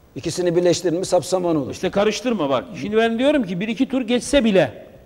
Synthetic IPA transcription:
icisinibiɾlʲɛʃt̪ʰiɾilmisapsamanolˠiʃt̪ʰɛkʰaɾɯʃt̪ʰɯɾmaβakʃind̪ibænd̪ijo̞ɾumcibiɾicʰit̪ʰuɾɟɛt͡ʃsɛbilʲɛ

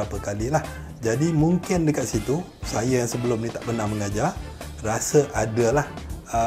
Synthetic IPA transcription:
apəkalilah | d͡ʒadimuŋkɪndəkat̪̚sit̪u | sajəjaŋsəbəlʊmnĩt̪aʔbənaməŋad͡ʒar | rasəʔadəlahə

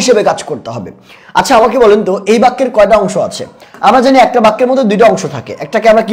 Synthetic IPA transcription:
iʃebekad͡ʑkoɾt̪eɦɔbḛ | a̰t͡ɕʰaamakebɔlent̪oejbakːeɾkɔeʈ̬aɔŋʃoa̰t͡ɕʰḛamɾad͡ʑaniɛk̚ʈabakːeɾmɔt̪ʰod̪ujʈaɔŋʃot̪ʰakḛʔɛk̚ʈakeamɾaki

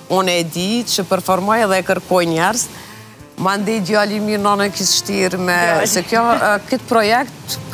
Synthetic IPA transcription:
unɛd̪it͡ʃəpɛɾfɔɾmɔjɛðɛkəɾkɔjɲɛɾz | mand̪ɛd̪jɔaliminɔnɛkisʃt̪iɾmɛsɛkjɔkət̪pɾɔjɛkt̪

